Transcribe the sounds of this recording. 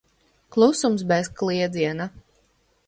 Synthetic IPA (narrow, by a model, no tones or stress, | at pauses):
klˠusumsbɛskliɛd̪ziɛna